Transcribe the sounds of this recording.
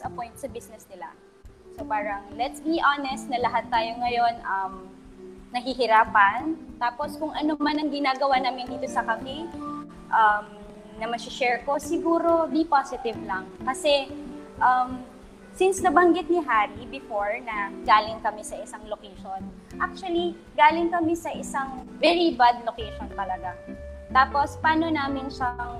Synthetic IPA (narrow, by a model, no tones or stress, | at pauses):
sɐpojnt̪̚sɐbisnɛsnɪla̰ | sopaːɾɐŋlɛt̪sbiʔanɛst̪̚nɐlɐɦat̪ːaːjoŋɐjo̞nʔɐm | nɐɦiɦɪɾaːpɐnt̪aːpo̞skʊŋʔɐnomanɐŋɡɪnaːɡɐwaːnaːmɪnd̪iːt̪osɐkɐmɛ | ʔɐm | nɐmɐsɪʃɛɹko̞sɪɡuːɾo̞d̪ipasɪt̪ɪvlɐŋkɐsɛʔɐm | sɪnsɡ̪ɐbɐŋɡɪt̪̚nɪɦaːɾibɪfoɹnɐɡaːlɪŋkɐmɛsɐʔɪsaŋlokejʃon | ʔak̚t͡ʃʊɐli | ɡaːlɪŋkɐmɛsɐʔɪsaŋvɛɹibad̪̚lokejʃont̪ɐlɐɡat̪aːpo̞spaːno̞naːmɪnʃɐŋ